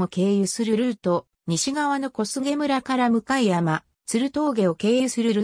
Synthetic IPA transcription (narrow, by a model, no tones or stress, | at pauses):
oke̞ːjɯsɨɾɯɾɯɯt̪o̞ | ɲ̟iɕiɡaβ̞ano̞ko̞sɨɡe̞mɯ̟ɾakaɾamɯ̟kaijama | t͡sɨɾɯ̟t̪o̞ːɡe̞o̞ke̞ːjɯsɨɾɯɾɯ̟